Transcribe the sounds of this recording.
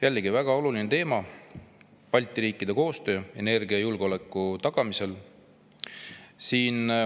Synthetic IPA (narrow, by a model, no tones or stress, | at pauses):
jælːɡ̥ivæɡ̥ɑo̞lulinet̪e̞ːmɑ | pɑlʲt̪ˑiɾiːkːˑid̪̥e̞ko̞ːst̪ø̞ːe̞ne̞rɡ̥iɑjulɡ̥o̞le̞kːˑut̪ɑɡ̥ɑmise̞l | siːn